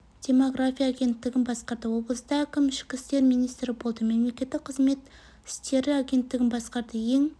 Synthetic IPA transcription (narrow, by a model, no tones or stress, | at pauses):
d̪̥ʲe̞mo̞ɡrafʲijaːɡʲe̞nt̪ːɪɡʲɪnbɑsqɑɾd̪əwo̞blˠəsd̪ɑkʲɪmɪʃkʲɪst̪e̞ɾmijnijst̪ɾɪbo̞lˠd̪əme̞mle̞kʲe̞t̪ːɪk̚qʰəzme̞t̪ | ɪ̥st̪e̞ɾɪaɡʲe̞nt̪ːɪɡʲɪnbɑsqɑɾd̪əje̞ŋ